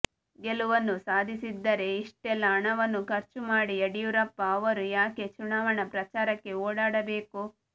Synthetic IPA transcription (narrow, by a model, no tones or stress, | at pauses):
ɡeluʋɐnːusaːd̪ʱisid̪ːɐɾe̞iʂʈɛlːɐːɳɐʋɐnːukɐɾt͡ʃumaːɽiɐɽijuɾɐpːɐːʋɐɾujaːke̞t͡ʃunaːʋɐɳɐpɾɐt͡ʃaːɾɐkːe̞oːɽaːɽɐbe̞ːku